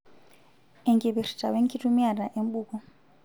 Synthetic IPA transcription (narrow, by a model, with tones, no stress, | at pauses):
ɛ˨ŋɡi˨βi˨ri̥˨tʼa̰˨we˦ŋ˦kʰʼi˦tu˦mi˦a˨ɾa˨ʔe˦m˦ɓuːkɔ˨